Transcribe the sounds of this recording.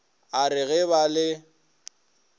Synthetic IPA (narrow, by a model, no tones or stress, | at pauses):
aɾɪɣɛβalɪ